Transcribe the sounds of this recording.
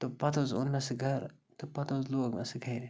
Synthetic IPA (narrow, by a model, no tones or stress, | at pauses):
t̪opɐt̪ozunːɐsɡʱɐɾ | t̪upɐt̪ozloːɡnɐ̰sɡʱɐɾ